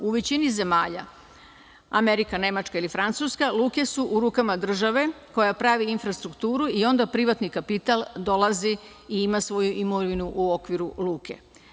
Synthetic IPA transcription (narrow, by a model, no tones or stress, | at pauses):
uʋet͡ɕinize̞maːʎa̰ | ame̞ɾikane̞mat͡ʃkailifɾant̪suskaluːke̞suʔuɾuːkamad̪r̩ʒaʋe̞ | ko̞japɾaʋiinfɾast̪ɾukt̪uːɾuio̞nd̪apɾiʋat̪nikapit̪alˠd̪o̞lˠazi | iimasʋo̞juʔimoʋinuʔuo̞kʋiɾuluːkʰe̞̰